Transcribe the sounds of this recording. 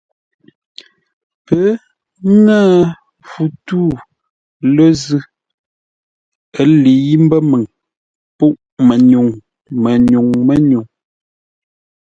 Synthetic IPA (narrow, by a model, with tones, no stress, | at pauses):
pə˨˦ | naː˦˨ | fu˨tuː˦˨ | lə˦zʉ˦ | ə˨li˨˦i˦m̩˦bə˦mə˨ŋ | pu˦ʔmə˨ɲu˨ŋ | mə˨ɲu˨ŋmə˦˨ɲu˨ŋ